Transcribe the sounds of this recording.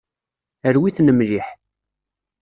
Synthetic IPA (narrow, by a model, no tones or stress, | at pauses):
əɾwiθnəmliħ